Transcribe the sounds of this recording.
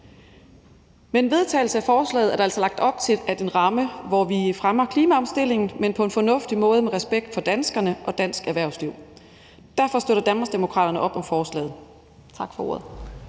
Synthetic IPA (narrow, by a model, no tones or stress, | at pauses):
meenʋe̝ð̞ˠt͡sʰɛ̰ːɪl̩səæfɒːslɛ̰ːð̩ˠɐɾæl̰sɒ̽lɑ̈ɡ̥̚d̥ɒ̽b̥̚t͡sʰe̝l̥æde̝nʁɑ̈məʋɒʋifʁamɐkʰliːmæɒ̽msd̥e̝l̰e̝ŋn̩menpʰɒ̽e̝nfɒ̽nɔ̽fd̥imɔ̽ːð̞ˠəmeʁɛsb̥eɡ̥̚d̥fɒ̽d̥ænsɡ̥ɐnəʔɒ̽d̥æn̰sɡ̥æɐʋæɐʊsliʊ̰ | d̥æɐfɒ̽sd̥øɾɐd̥ænm̥ɑɐsd̥e̝mo̝kʰʁɑ̰ːd̥ɾɐnəʔɒ̽b̥ɒ̽mfɒːslɛ̰ːð̩ˠ | t͡sʰɑ̈ɡ̥fɒ̽o̝̰ɐ̰ð̩ˠ